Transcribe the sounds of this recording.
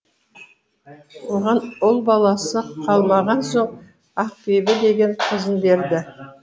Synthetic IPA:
woʁɑnʊlˠbɑlˠɑsəqʰɑlˠmɑʁɑnso̞ɴ | ɑq̚pibɪd̪e̞ɡʲe̞ɴqʰəzənbe̞ɾd̪ɪ

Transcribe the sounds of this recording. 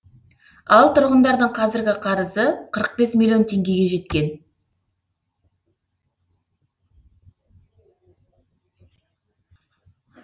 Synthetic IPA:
ɑlˠt̪ʰʊɾʁənd̪ɑɾd̪əɴqʰɑzɪɾɡʲɪqʰɑɾəzəqʰəɾəq̚be̞smʲilʲjo̞nt̪ʰe̞ŋɡʲe̞ɡʲe̞ʒe̞t̪̚kʲe̞n

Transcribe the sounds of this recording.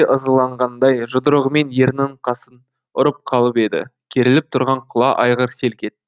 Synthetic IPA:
eʔəzəlˠɑɴʁɑnd̪ɑjʒʊd̪əɾəʁəme̞nje̞ɾnɪɴqʰɑsən | ʊɾəp̚qʰɑlˠəpe̞d̪ɪ̰kʲʰeɾɪlɪp̚t̪ʰʊɾʁɑɴqʰʊlˠɑʔɑjʁəɾse̞lkʲe̞t̪̚ː

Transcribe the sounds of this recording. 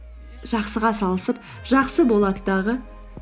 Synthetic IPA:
ʒ̥ɑqsəʁɑsɑlˠəsəp̚ | ʒ̥ɑqsəbolˠɑt̪əd̪ɑʁə

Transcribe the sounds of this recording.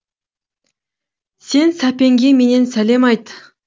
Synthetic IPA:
sensapeŋɡʲimenensælemɑjt̪

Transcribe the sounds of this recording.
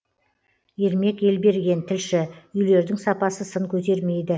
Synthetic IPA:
je̞ɾme̞ke̞lbe̞ɾɡʲe̞nt̪ʰɪlʃɪʏjle̞ɾd̪ɪŋsɑpɑsəsəŋkʲʰɵt̪̬e̞ɾme̞jd̪ɪ

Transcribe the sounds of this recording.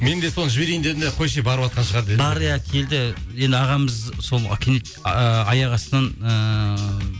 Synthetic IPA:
me̞nd̪e̞so̞nəʒɪbe̞ɾejnd̪ed̪ɪnd̪eqʰo̞jʃejbɑɾəpɑt̪̚qɑnʃəʁɑɾd̪eɑɾəjækʲʰe̞ld̪ɪje̞nd̪ɪɑʁɑməzso̞l̰ˠkʲʰenet̪ | əɑjɑʁɑsənɑnə

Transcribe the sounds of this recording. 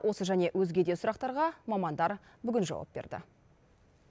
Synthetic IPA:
wʔo̞səʒæne̞ʔwɵzɡʲe̞d̪e̞sʊɾɑq̚t̪ɑɾʁɑmɑmɑnd̪ɑɾ | bʏɡʲɪnʒɑ̰wɑ̰p̚b̥e̞ɾd̪ɪ̰

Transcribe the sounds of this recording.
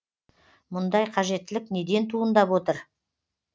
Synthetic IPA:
mʊnd̪ɑjqʰɑʒe̞t̪ːɪlɪkne̞d̪e̞nt̪ʰuənd̪ɑpwo̞t̪əɾ

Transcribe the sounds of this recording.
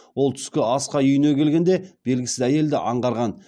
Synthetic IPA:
wo̞lˠt̪ʰʏ̥skʲɪɑsqɑʏjɪne̞kʲʰe̞lɡʲe̞nd̪e̞b̥e̞lɡʲɪsɪzæje̞ld̪ɪ̰ʔɑɴʁɑɾʁɑn

